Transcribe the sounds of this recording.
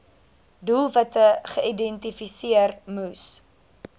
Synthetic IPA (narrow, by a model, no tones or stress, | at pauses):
dulˠvɐtəχəidɛntifisiərmus